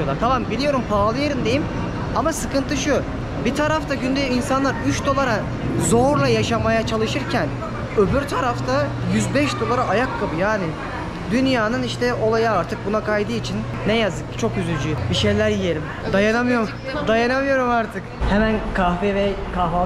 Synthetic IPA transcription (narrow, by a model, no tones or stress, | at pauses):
lˠaɾt̪ʰamambilʲijo̞ɾumpʰalˠɯjeɾɯmd̪e̞jim | amasɯkɯnt̪ʰɯʃu | bit̪ʰaɾaft̪ʰaɟynd̪ejinsanlˠaɾyt͡ʃd̪o̞lˠaɾa | zo̞ɾlˠajaʃamajat͡ʃʰalˠɯʃɯɾcʰæn | øbyɾt̪ʰaɾaft̪ʰa | jyzbɛʃd̪o̞lˠaɾaʔːjakːabɯjaːnɪ | d̪ynjaːnɯniʃt̪ʰɛo̞lˠajaːɾt̪ʰɯk̚bunakʰajd̪ɯit͡ʃʰinːɛjazɯkt͡ʃʰo̞kjyzylʲd͡ʒybiʃe̞jlʲæɾjije̞lʲim | d̪ajanamɯjo̞ɾum | d̪ajanamɯjo̞ɾumaɾt̪ʰɯkhɛmænkʰafevɛkʰaa